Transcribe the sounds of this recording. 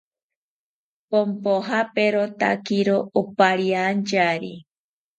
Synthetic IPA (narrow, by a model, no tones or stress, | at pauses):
pompoɦapeɾot̪a̰kiɾoopaɾiand͡ʒaɾi